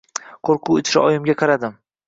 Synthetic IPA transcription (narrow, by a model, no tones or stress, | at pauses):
qʰoɾqʰuɪt͡ʃ̪ʰɪ̥ʃɪ̰ʔɒjɪmɡʲaqʰɑɾad̪ɪm